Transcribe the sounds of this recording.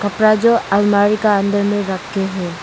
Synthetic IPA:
kɐpɾad͡ʒoɐʋmaːɾikaə̃nd̪əɾmẽɾɐkʰːeɦɛː

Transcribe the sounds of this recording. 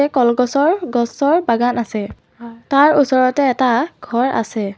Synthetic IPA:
ɛkɔlɡɔsɔɹɡɔsɔɹbaɡanasɛ | taɹusɔɹɔtɛːtaɡʱɔɹʔa̰sɛ

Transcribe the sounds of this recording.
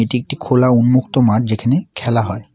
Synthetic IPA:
eʈiek̚ʈikʰolaunmukt̪omaɾd͡ʑekʰanekʰɛlaɦɔe

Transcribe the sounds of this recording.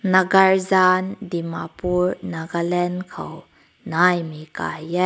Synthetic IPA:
nɐɡɐɹzandimapuɹnaɡalɛnkʰɐ̰w | najmika̰jɛ

